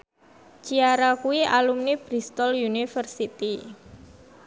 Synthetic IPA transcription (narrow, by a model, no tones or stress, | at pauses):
t͡ʃiaɾakuwiʔalumnib̥ɾist̪ɔljunifərsit̪i